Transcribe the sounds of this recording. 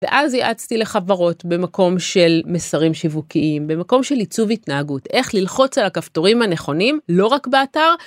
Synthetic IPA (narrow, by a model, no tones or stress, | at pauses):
vḛʔazjiʔat͡st̪ile̞χavaʁo̞tbe̞mako̞mʃe̞lmesaʁimʃivukiʔimbe̞mako̞mʃe̞lit͡suvitnaaɡute̞χlilχo̞t͡salakafto̞ʁimhane̞χo̞nimlo̞ʁakbeataʁ